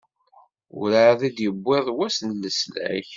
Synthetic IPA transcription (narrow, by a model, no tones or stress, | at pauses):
ʊ̰ɾaðid̪jəbʷːɪðˤwæsnlːəslæ̰ç